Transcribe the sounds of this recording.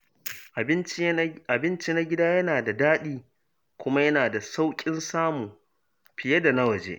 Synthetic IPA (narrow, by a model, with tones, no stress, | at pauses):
ʔɪ˦n˦ʔa˨bɪ˦nt͡ʃi˦na˦ɡʲɪ˦daː˦jɐ˦naː˨da˨daː˦ɗiː˦ | kʷʊ˦ma˦jɐ˦naː˨da˨sa˦wkʲʼɪ˦nsaː˦muː˨ | ɸɪ˨jɐ˦da˨na˦wɐ˨d͡ʒḛː˦ʔ